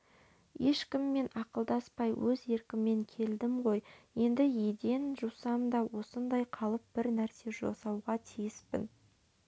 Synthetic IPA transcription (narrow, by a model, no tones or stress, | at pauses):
je̞ʃkʲɪmːe̞nɑqəlˠd̪ɑspɑjwɵze̞ɾkʲɪmːe̞ŋkʲʰe̞ld̪ɪmʁo̞jje̞nd̪ɪjed̪e̞nʒuwsɑmd̪ɑwo̞sənd̪ɑjqʰɑlˠəp̚b̥ɪɾnæɾse̞ʒo̰sɑwʁɑt̪ʰijɪspɪ̰n